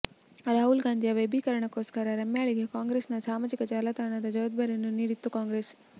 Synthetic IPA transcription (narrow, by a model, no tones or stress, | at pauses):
ɾaːɦulɡãːnd̪ʱijaʋebʱikɐɾəɳ̃əkoːskɐɾaɾɐmjaːɭikʰekãːŋɡɾeːsnãt͡ʃʰaːmɐd͡ʒɪkəd͡ʒaːlat̪aːɽ̃ãt̪ad͡ʒɔːd̪̚bɐɾenũniɾɪt̪ːokãːŋɡɾeːs